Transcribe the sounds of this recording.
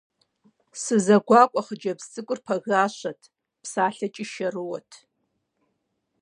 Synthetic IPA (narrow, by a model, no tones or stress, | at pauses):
sɨzɐɡʷaːkʷʼɐχəd͡ʒɐbst͡sʼɨkʷʼʊrpʰɐɣaːʃɐtʰ | pʰsaːɬɐt͡ʃʼɪʃɐrɨwɔtʰ